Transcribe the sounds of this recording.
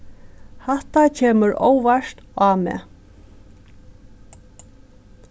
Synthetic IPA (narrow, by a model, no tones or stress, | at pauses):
hɛht̪acʰeːməɾo̰ːwʋaʃt̪aːmɛ̰ː